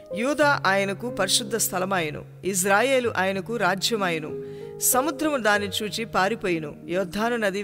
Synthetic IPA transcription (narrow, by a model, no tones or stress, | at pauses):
juːd̪aːʔaːjɐnɐkupɐɾiʃud̪ʱːɐst̪ʰɐlɐmaːjɐnṵ | is̬ɾaːje̞ːluʔaːjɐnɐkuɾaːd͡ʒjɐmaːjɐnṵsɐmud̪ɾɐmd̪aːnːit͡ʃuːt͡ʃipaːɾipoːjinṵjɔːd̪ʱːaːnunɐd̪i